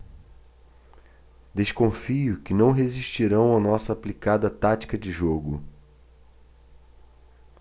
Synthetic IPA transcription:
d̪eʃkõfijʊkɪnɐ̃w̃ɦeziʃt͡ʃiɾɐ̃w̃ɐnɔsɐːplikad̪ɐt̪at͡ʃi̥kɐd͡ʒɪʒoɡʊ

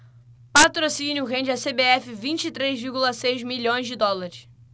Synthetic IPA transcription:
pat̪ɾosĩnʲjʊɦẽnd͡ʒɪɐsebeɛfɪvĩt͡ʃit̪ɾezviɾɡulɐsejzmilʎõj̃zd͡ʒɪd̪ɔlaɾɪs

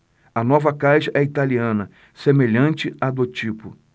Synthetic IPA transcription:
ɐnɔvɐkajʃɐʔɛit̪aliɐ̃nɐ | semeʎɐ̃nt͡ʃɪad̪ot͡ʃipʊ

